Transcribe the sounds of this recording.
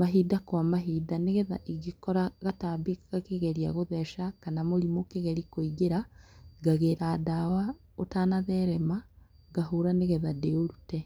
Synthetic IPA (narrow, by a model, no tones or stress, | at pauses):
maɦidakwamaɦidaneɣɛða̰ʔiɣekɔɾaɣataːbikḁkakeɣɛɾiaɣoðɛʃakanamoɾimokeɣɛɾikoiɡeɾaɡaɣeɾaːdawa | otaːnaðɛɾɛma | ɡahoɾaneɣɛðadeoɾutɛ